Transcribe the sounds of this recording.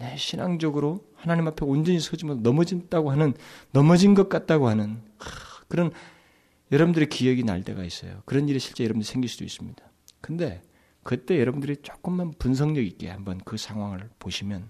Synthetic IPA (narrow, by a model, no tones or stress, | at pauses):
neɕʰinaŋd͡ʑʌɡɯɾohanaɲimɦapʰe̞ond͡ʑʌɲisʰʌd͡ʑimʌnʌmʌd͡ʑint͈aɡohanɯnːʌmʌd͡ʑinɡʌt̚k͈at̚t͈aɡohanɯn | kɯɾʌn | jʌɾʌbɯndɯɾekijʌɡina̰ɭt͈e̞̰ɡa̰is͈ʌ̰jo̰kɯɾʌniɾiɕʰi̥ɭt͡ɕ͈e̞jʌɾʌbundɯɾisʰeŋɡiɭsud̥ois͈ɯmɲid̥a | kɯnde̞̰ | kɯt͈e̞jʌɾʌbundɯɾit͡ɕ͈ok͈ɯmːanpuns̬ʰʌŋɲʌɡik͈e̞̰hambʌnkɯsʰaŋɦwaŋɯɭpoɕʰimjʌn